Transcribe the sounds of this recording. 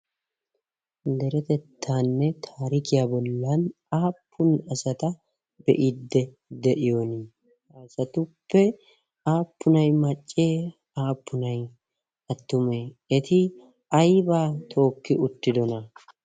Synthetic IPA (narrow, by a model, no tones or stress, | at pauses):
d̪ɛɾɛt̪ɛt̪ʰːaːnːɛt̪ʰaːɾɪkɪjaːbɔlːɐn | aːpːʊnɐsɐt̪ɐ | bɛ̰ʔɪd̪ːɛ | d̪ɛʔɪjoːnɪ | ɐsɐt̪ʊpːɛ | aːpːʊnɐjmɐt͡ʃʼːeː | aːpːʊnɐj | ɐt̪ːʊmeːɛt̪ɪ | ɐjbaːt̪ʰo̞ːkːɪʊt̪ːɪd̪ɔnɐ